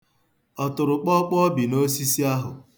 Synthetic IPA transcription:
ɔ˨tʊ˨ɾʊ˨k͡pɔ˦k͡pɔ˦bi˨no˦si˦si˦a˦ɦʊ˨

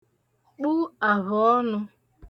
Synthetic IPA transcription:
k͡pu˦a˨βʊ˨ɔ˦nʊ˦

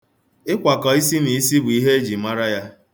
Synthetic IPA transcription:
ɪ˦kʷa˨kɔ˨i˦si˦ni˨i˦si˦bʊ˨i˦ɦe˦e˦d͡ʒi˨ma˦ɾa˦ja˦

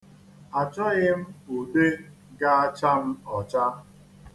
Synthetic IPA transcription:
a˨t͡ʃɔ˦ɣɪ˦m̩˦u˨de˦ | ɡa˦a˦t͡ʃa˦m̩˦ɔ˨t͡ʃa˦

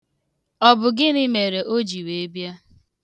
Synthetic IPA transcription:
ɔ˨bʊ˨ɡɪ˦nɪ˦me˨ɾe˨ʔo˦d͡ʒi˨we˨e˦bja˦

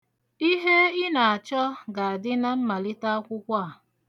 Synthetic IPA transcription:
i˦ɦe˦ɪ˦na˨a˨t͡ʃɔ˦ɡa˨a˨dɪ˦na˦m̩˦ma˨lɪ˦ta˦a˦kʷʊ˦kʷa˦a˨

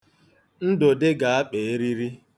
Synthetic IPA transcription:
n̩˦do˨dɪ˦ɡa˨a˦k͡pe˨e˦ɾi˦ɾi˦

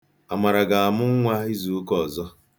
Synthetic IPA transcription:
a˨ma˨ɾa˨ɡa˨a˨mʊ˦ŋ˦ŋʷa˦i˦zu˨˦kɔ˨zɔ˦

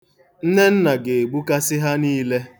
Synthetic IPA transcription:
n̩˦ne˦n̩˦na˨ɡe˨e˨ɡ͡bu˦ka˦sɪ˦ɦa˦niː˦le˦

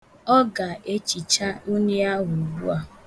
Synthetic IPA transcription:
ɔ˦ɡa˨e˦t͡ʃi˨t͡ʃa˦u˦ni˦a˦ɦu˨bu˦a˨

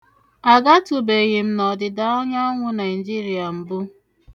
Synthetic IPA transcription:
a˨ɡa˦tʊ˨be˨ɣɪ˨m̩˦nɔ˨dɪ˨da˦ɔ˦ɲa˦ŋʷʊ˦na˨ɪ˨d͡ʒi˦ɾi˨a˨m̩˨bʊ˦

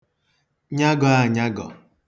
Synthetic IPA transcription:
ɲa˦ɡɔ˨˦a˨ɲa˦ɡɔ̰˨

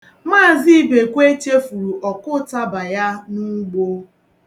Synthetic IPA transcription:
maː˦˨zi˦i˦be˨kʷe˦t͡ʃe˦fu˨ɾu˨ʔɔ˨kʊ˦ta˦ba˨ja˦nu˦ɡ͡bo˦

